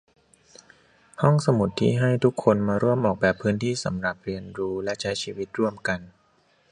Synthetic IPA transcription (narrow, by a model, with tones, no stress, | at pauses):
hɔ˥˩ŋsa˧mu˨˩t̪ʰːḭː˥˩ɦa˥˩jt̪ʰu˦˥kʰːo˧nmaː˧ɾu˥˩əmʔɔː˨˩k̚bɛː˨˩pʰːɯː˦˥nt̪ʰiː˥˩sa̰˩˦mɾa˨˩p̚ɾi˧ənɾuː˦˥lɛ˦˥t͡ɕʰa˦˥jt͡ɕʰiː˧wi˦˥t̪̚ɾu˥˩əmka˧n